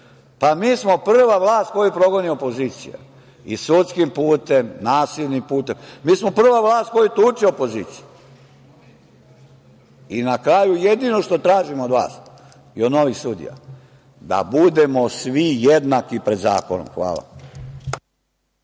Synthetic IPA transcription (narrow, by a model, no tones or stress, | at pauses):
pamiːsmo̞pr̩ʋaʋlˠaːst̪̚ko̞jupɾo̞ɡo̞niopo̞ziːt̪sija̰ | isut̪skimpuːt̪e̞mnaːsilnimpuːt̪e̞mmiːsmo̞pr̩ʋaʋlˠaːst̪̚kojut̪uːt͡ʃiopo̞ziːt̪siju | inakɾaːjuje̞d̪ino̞ʃt̪o̞t̪ɾaːʒimood̪ʋa̰ːs | iod̪no̞ʋixsud̪ḭja̰ | d̪a̰bud̪e̞mo̞sʋijed̪nakipɾe̞d̪za̰ːkono̰mxʋa̰ːlˠa̰